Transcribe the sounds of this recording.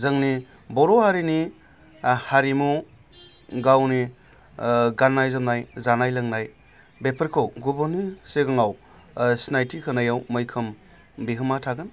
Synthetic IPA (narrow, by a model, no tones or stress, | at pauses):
zɐŋni | bɔɾohaɾini | haɾimu | ɡawni | ɡanːajzamnajzanajlɐŋnaj | bepʰəɾkʰowɡubɔniseɡaŋaw | snajtʰikʰɯnajawmɯjkʰɯm | biɦɯmatʰaɡɯn